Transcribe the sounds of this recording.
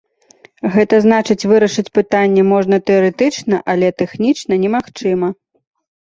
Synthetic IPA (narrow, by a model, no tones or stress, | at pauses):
ɣɛt̪ɐznat͡ʂɨt͡sʲvɨɾɐʂɨt͡sʲpɨt̪anʲːɛmɔʐn̪ɐt̪ɛɐɾɛt̪ɨt͡ʂnɐʔɐlʲɛt̪ɛxnʲit͡ʂnɐnʲɛmaxt͡ʂɨmɐ